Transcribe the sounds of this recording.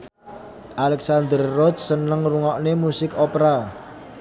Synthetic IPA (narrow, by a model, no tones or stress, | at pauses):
ʔalɛksand̪ərːɔt͡ʃsənəŋruŋɔʔnemusɪkɔpɾa